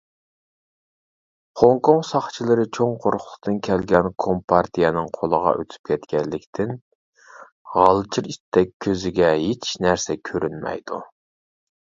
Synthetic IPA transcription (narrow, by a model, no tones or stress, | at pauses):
hoŋkʰoŋsɑχt͡ʃʰilˠɨɾɨt͡ʃʰoŋqʰoɾχʰʊlˠə̥t̪ɨnkʲʰɛlɡʲɛnkʰompʰɑɾt̪ʰijɛnɨŋqʰolˠəʁɑ̰ʔø̰t̪ʰy̥p̚kʲʰɛt̪kʲʰɛnlːɪkʲt̪ʰɪn | ʁɑlˠɨt͡ʃʰiɾiʃt̪t̪ɛk̚ʲʰːøzɪɡʲɛɦet͡ʃʰnæɾsɛkʲʰøɾynmɛ̰jd̪̥u